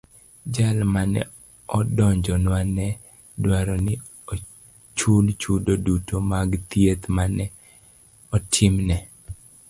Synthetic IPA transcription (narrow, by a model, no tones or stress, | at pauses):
d͡ʒalmanɛ̰ | ɔdɔɲd͡ʒɔnwanɛ | dwaɾɔnɪ | o | t͡ʃult͡ʃudodutomaɡt̪jet̪manɛ | ɔtʰɪmnɛ